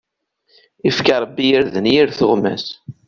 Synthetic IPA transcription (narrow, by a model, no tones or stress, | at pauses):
ifkaɾˤɑbːijiɾðənjiɾθʊʁmæ̰s